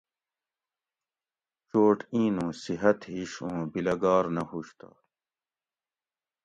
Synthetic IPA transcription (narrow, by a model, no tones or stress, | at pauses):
t͡ɕoːʈĩːnõːsiɦɐt̪ɦiɕõːbilɐɡaːɾnɐɦuɕt̪a̰ː